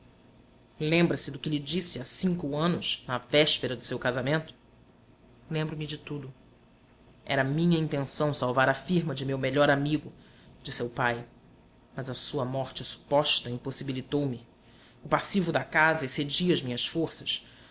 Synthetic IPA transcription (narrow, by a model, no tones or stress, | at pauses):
lẽmbɾɐsɪd̪ʊkɪlɪd͡ʒisɪasĩŋkʊɐ̃nʊʃnɐvɛʃpeɾɐd̪ʊsewkazamẽnt̪ʊ̥ | lẽmbɾʊmɪd͡ʒɪt̪ud̪ʊ | ɛ̰ɾɐmĩɲɐĩnt̪ẽsɐ̃w̃sawvaɾɐfiɾmɐd͡ʒɪmewmeʎɔɾamiɡʊ | d͡ʒisewpaj | mɐzɐsuɐmɔɾt͡ʃɪsu̥pɔʃt̪ɐĩposibilit̪owmɪ | ʊpasivʊd̪ɐkazɐesed͡ʒiɐzmĩɲɐsfoɾsɐ̥s